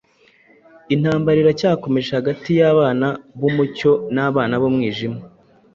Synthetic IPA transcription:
in̥aːmbaɾiɾacaːko̞me̞ʒehaɡatijaβaːnaβumuco̞naːβaːnaβomŋiːʒima

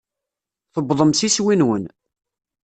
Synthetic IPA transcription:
θəbðˤəmsiswinwən

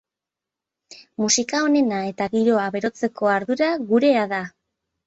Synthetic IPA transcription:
musikao̞ne̞nae̞t̪aɣiɾo̞aβe̞ɾo̞t͡se̞ko̞aɾðuɾaɣuɾe̞aða

